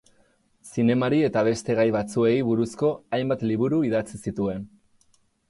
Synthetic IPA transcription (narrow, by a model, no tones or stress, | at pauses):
sine̞maɾie̞t̪aβ̞e̞st̪e̞ɣajβat͡sue̞jβuɾusko̞ajmbat̪liβ̞uɾuiðat͡sisit̪ue̞n